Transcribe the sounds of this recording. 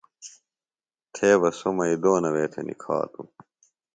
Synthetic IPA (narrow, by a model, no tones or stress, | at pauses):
t̪ʰeːbɐsomɐid̪oːnɐweːt̪ʰḛnʔḭkʰa̰ːt̪u